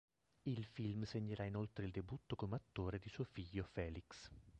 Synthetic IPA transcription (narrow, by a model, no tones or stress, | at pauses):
ilfilmseɲːeɾainolt̪ɾeild̪ebut̪ːokomeat̪ːoːɾed̪isuofiʎːofɛːliks